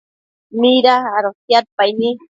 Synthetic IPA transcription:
miɾaaɾosjat̪̚pajni

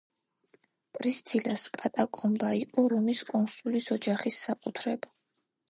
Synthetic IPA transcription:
pʼɾist̪sʰilaskʼat̪ʼakʼɔmbaiqʼɔɾɔmiskʼɔnsulisɔd͡ʒaχisːakʼut̪ʰɾɛb

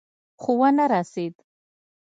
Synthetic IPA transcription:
χuwanaɾased̪

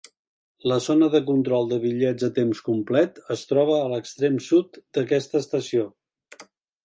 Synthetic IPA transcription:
ləzonəðəkunt̪ɾɔlˠd̪əβiʎɛd͡zət̪emskumplɛt̪əst̪ɾɔβ̞əːləkst̪ɾemsut̪d̪əkɛst̪əst̪əsio

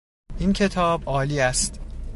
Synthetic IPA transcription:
ʔincʰe̞t̪ʰɒːbʔɒːliːæst̪

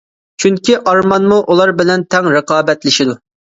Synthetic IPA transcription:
t͡ʃʰyŋkʲiʔɑɾmɑnmuʔulˠɑɾbɪlɛnt̪ʰɛŋɾɨqɑːbɛt̪lɪʃid̪u

